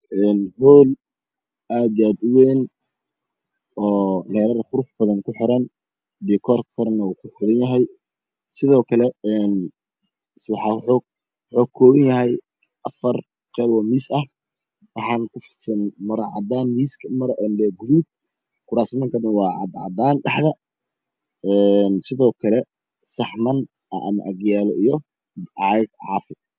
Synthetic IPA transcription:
ʔɛːnhɔːl | aːd̪jaːd̪ʊwɛːn | ɔːlɛːɾɐɾχʊɾʊħb̥ɐðɐnkʰʊħɪɾɐn | d̪ikʰɔrkʰɐɾnɐuːχʊɾʊħbɐðɐnjɐɦɛj | sɪðɔːkʰɐlɛɛːn | swɑħɑħɔ | ħɔːkʰːɔːwɐnjɐɦɛj | ʔɐfɐr | qɛβɔmiːsɐh | wɑħɑːnkʊfsɐnmɐɾɐʕɑ̰d̪aːnmiːskʰmɐɾʔɛnlɛɡuðuːb̚ | kʰʊɾaːsmɐnt̪ʰɐdɐnwɑːʕɑ̰d̪ʕɑ̰d̪aːnɖɑħðɐ | ɛːnsɪðɔːkʰɐlɛ | sɐħmɐn | ʔɐ̰ʔɐ̰mɐ̰ʔɐɡjaːlɔijɔ | ɑjɐɡʕɑ̰ːfɪ

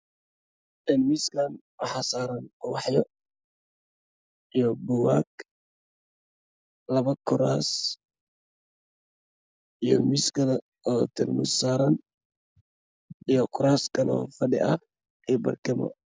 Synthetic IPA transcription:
ʔɛnmiskʰaːnwɑħasaːɾɐnɔwɑħjɔ | ʔijɔbʊwaːk | lɐβɐkʰʊɾaːs | ʔijɔmiskɐlɐ | ɔt̪ʰɪrmʊ̰saːɾɐn | ijɔkʰʊɾaːskɐnɔ̰ːfɐɗɪ̰ʔɐ | ɛbɐ̰rkɪmɔ̰

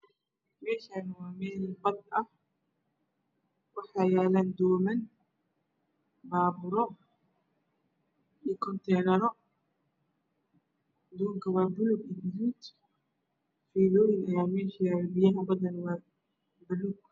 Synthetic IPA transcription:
mɛːʃaːnʊwaːmɛːlbɐd̪̚ɐh | wɑħɑːjɛːlaːnd̪ɔːmɐn | baːβʊɾɔ | ikʰɔnt̪ʰɛːnɐɾɔ | d̪uːŋkʰɐwɑːbʊlʊɡɪd̪ɪɾuːt̪ | fiːlɔːjɪnɐjaːmɛːʃiɐɾɐbɪjɐɦɐbɐðɐnwɑː | bʊluɡ̚

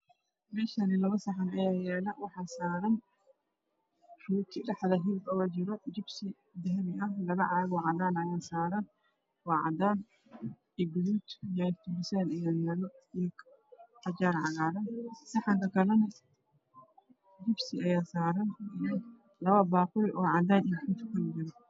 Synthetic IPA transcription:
mɛːʃɐnɪlɐβɐsɑħɑnɐjaːjɛːlɐwɑħɑːsaːɾɐn | ruːt̪ʰɪɖɑħðɐɦɪlbɔɐt͡ʃɪɾɔd͡ʒɪbsɪ | d̪ɐɦɐmɪʔɐhlɐβɐʕɑɣwɑʕɑd̪aːnɐjaːsaːɾɐn | wɑːʕɑ̰d̪aːn | ɪɡʊd̪uːt̪jat̪ʰʊbɪsɛːnɐjaːjɛːlɔjɛk | ħɐd͡ʒaːɾʕɑɣaːɾɐnsɐħɑŋk̪ɐkɐlɐnɐ | d͡ʒɪbsɪɐjaːsaːɾɐnɪjɐ | lɐβɐbaːqʊjʔɔːʕɑd̪aːniħut̪ʰʊ̥kʰɐnɪd͡ʒɐɾɐ

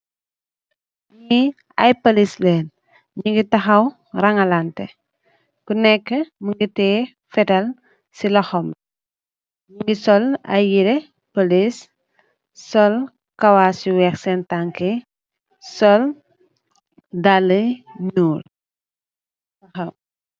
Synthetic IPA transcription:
ɲi | ɐjpɐlislɛːn | ɲiŋɡitɐxɐw | rɐŋɐlantɛ̰ | kunɛkːəməŋɡitɛː | fɛtɐl | silɔxɔm | ɲuŋɡisɔlɐ̰jiɾɛ | pɐlis | sɔl | kɐwasiwɛxsɛntaŋkɛ | sɔl | daləɲuːl | tɐxɐw

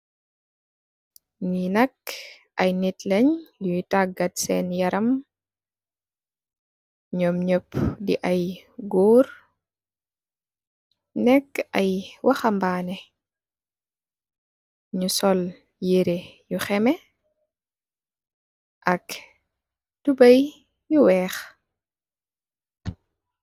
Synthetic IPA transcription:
ninɐk | ʔɐjnitlɛɲluutaɡɐtsɛnjɐɾɐm | ɲɔmɲəpdiʔɐjɡɔːɾ | nɛkːɐjwʔɐxɐmbaːnɛ | ɲusɔl | jeɾejuxɛmɛ | ʔɐk | tubɐj | juwɛːx

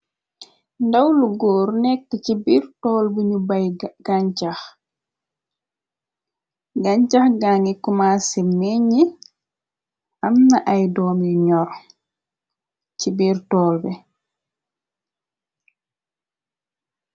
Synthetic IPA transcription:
ndawluɡoːɾnɛk̚tːɛt͡ʃibiɾtɔːlbiɲubajɡ̥aɲt͡ʃax | ɡaɲt͡ʃaxɡaŋɡikumasɛmːeɲi | ʔamnaʔajdɔːmuɲɔɾ | t͡ʃibiɾtɔlbɛ

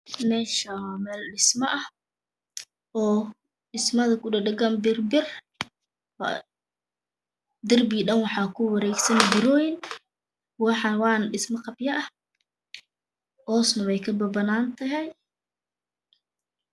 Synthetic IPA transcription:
mɛːʃɐmɛːlɖɪsmɐʔɐh | ɔː | ɖɪsmɐðɐkʰʊɖɐɖɐɡɐnbɪrbɪr | d̪ɐrbiɖɐnwɑħɑːkʰʊwɐɾɛːɡsɐnbɪɾɔjɪn | wɑħɑwɑːnɖɪsmɐqɑbjɐʔɐh | hɔːsnɐwɛjkʰɐbɐbɐnaːnt̪ʰɐɦɛj

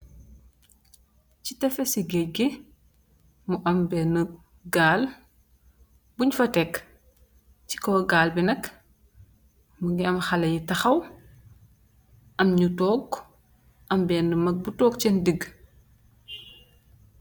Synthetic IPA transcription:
citɛfɛsiɡɛcɡe | muʔɐmbɛnə | ɡaːl | buɲfɐtɛk | ci̥kɔɡaːlbinɐk | muɡiɐmxɐlɐjitɐxɐw | ʔɐmɲutɔːɡ | ʔɐmbɛːnəmɐk̚butɔːk̚t͡ʃɛndiɡ

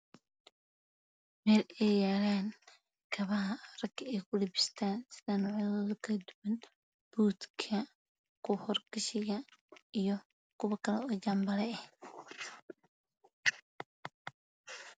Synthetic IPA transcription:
mɛːlɛjjaːlaːn | kʰɐβɐɦɐrɐɡʰɐɛjkʰʊlɪbɪst̪ʰaːnsɪðɐnɔʕjɐðɔːðʊkʰɐd̪ʊwɐn | b̥uːd̪kʰɐ | kʰʊhɔrɡɪʃɪɣɐijɞ | kʰʊwɐkʰɐlɛɔːt͡ʃambɐlɛɛh

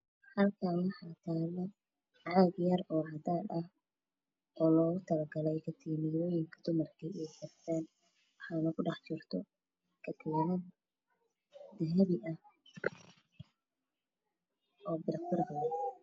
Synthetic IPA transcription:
hɐlkʰaːnwɑħɑːt̪ʰaːlːɐ | ʕɑɡjɐrɔːʕɑd̪aːd̪ɐh | ɔːlɔːɣʊt̪ʰɐlɐɡɐlɛjkʰɐt̪ʰiːnɪjɔːjɪŋkʰɐd̪̥ʊmɐrkʰiɪjɛjkʰɐrt̪ʰɛːn | wɑħɑːnɐkʰʊɖɑħt͡ʃɪrt̪ʰɔ | kʰɐt̪ʰɛːnɐn | d̪ɐɦɛβɪʔɐh | ɔːbɪɾɐbɪrbɐ

